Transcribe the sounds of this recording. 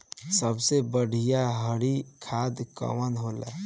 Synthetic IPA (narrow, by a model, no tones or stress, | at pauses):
səbsebəɽ̤ʱijaɦəɽikʰad̪kə̰wənɦola̰